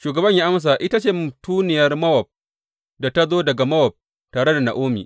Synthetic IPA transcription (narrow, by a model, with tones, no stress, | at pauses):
ʃuː˨ɡɐ˨bɐ˦ɲjaː˦ʔa˦ms̬a˨ʔɪ˦ta˦t͡ʃeː˦˨mʊ˨tuː˦nɪ˨jɐ˦rmɐ˦wɔ˨b̚ | da˨ta˦zoː˦dɐ˨ɡa˨mɐ˦wɔ˨p̚ | taː˨ɽe˦da˨na̰˨ʔoː˦mḭː˨ʔ